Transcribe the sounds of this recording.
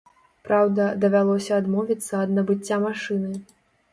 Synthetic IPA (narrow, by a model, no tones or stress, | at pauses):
pɾawd̪ɐd̪ɐvʲalˠɔsʲɐːd̪mɔvʲit̪sːɐːd̪nɐbɨt͡sʲːamaʂɨnɨ